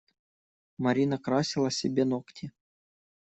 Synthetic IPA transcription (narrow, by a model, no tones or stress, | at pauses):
maɾʲinɑkrɑsʲilˠaɑsʲebʲenoktʲʰi